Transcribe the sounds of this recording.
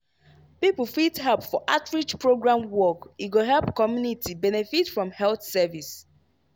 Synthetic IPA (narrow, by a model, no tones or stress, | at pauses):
pipl̩fitɦɛlpfɔʔatɹid͡ʒpɹoɡɹãmwɔkiɡoɦɛlpkɔmjunitibɛnɛfitfɹɔ̃mhɛlθsɛvis